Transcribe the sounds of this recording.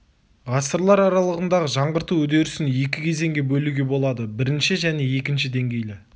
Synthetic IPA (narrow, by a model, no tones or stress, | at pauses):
ʁɑsəɾlˠɑɾɑɾɑlˠəʁənd̪ɑʁəʒɑɴʁəɾt̪uwɵd̪e̞ɾɪsɪnje̞kʲɪkʲʰe̞ze̞ŋɡʲe̞bɵluɡʲe̞bo̞lˠɑd̪əbɪɾɪnʃɪʒæne̞je̞kʲɪnʃɪd̪e̞ŋɡʲe̞jlɪ